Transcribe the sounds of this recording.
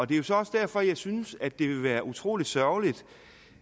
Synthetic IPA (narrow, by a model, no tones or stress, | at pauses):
ɒ̽d̥e̝æjo̝sɒ̽ɒ̽sd̥æɐ̰fɒ̽jɑ̈ɪsynəsæd̥e̝ʋe̝ʋæːɐʔut͡sʰʁo̝̰ːlid̥sɶɐlid̥